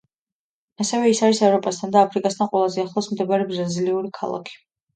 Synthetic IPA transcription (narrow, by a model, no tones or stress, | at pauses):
asɛvɛisaɾisɛvɾɔpʼast̪ʰand̪aːpʰɾikʼast̪ʰanqʼwɛlˠazɛaχlˠɔsmd̪ɛbaɾɛbɾaziliuɾikʰa̰lˠa̰kʰi̥